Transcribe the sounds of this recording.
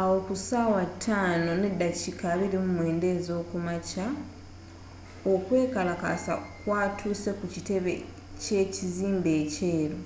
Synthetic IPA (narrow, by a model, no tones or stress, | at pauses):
awo̞kusaːwatʰːaːno̞nedːacikaβiɾimumwe̞ːnde̞ːzo̞ːkumaca | o̞kwe̞ːkalaka̰sa̰kwaːtʰuːse̞kucite̞βe̞̰ | ce̞ːciziːmbe̞ːceːɾo